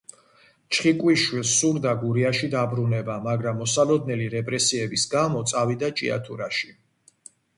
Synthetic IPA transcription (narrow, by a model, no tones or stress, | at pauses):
t͡ʃʰχikʼwiʃwilˠsuɾd̪aɡuɾiaʃid̪abɾunɛbamaɡɾamːɔsalɔd̪nɛliɾɛpʼɾɛsiɛbisɡamɔt̪sʼavid̪at͡ʃʼḭa̰t̪ʰuɾaʃi